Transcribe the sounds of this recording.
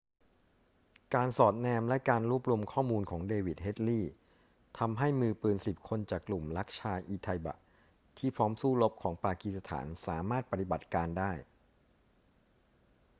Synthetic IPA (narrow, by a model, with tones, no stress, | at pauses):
kaː˧nsɔː˨˩t̪̚nɛː˧mlɛ˦˥kaː˧nɾu˦˥əp̚ɾu˧mkʰɔː˥˩muː˧nkʰɔː˩˦ŋdeː˧wi˨˩t̪̚he˦˥t̪̚liː˥˩ | t̪ʰa˧mɦa˥˩jmɯː˧pɯː˨˩nsi˨˩p̚kʰo˧nt͡ɕaː˨˩kːlu˨˩mla˦˥k̚t͡ɕʰaː˧jʔiː˧t̪ʰa˧jba̰˨˩ | t̪ʰiː˥˩pʰɾɔː˦˥msuː˥˩lo˦˥p̚kʰɔː˩˦ŋpaː˧ki˧˩sa˧t̪ʰa̰ː˩˦nsaː˩˦maː˥˩t̪̚pa˧t̪i˨˩ba˨˩t̪̚kaː˧ndaː˥˩j